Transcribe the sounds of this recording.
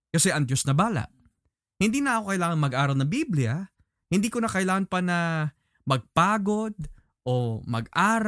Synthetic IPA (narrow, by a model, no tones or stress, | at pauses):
kɐsɛʔɐŋd̪jo̞snɐbaːlɐ̰ʔ | hɪnd̪iːnɐʔɐkokɐʔɪlaːŋɐŋmɐɡʔaːɾɐlnɐŋbiblɪjɐ | hɪnd̪iːkoɐkɐʔɪlaːŋɐnpɐnɐ | mɐɡ̚paːɡo̞d̪̚ | ʔo̞mɐ̰ɡʔaːɾ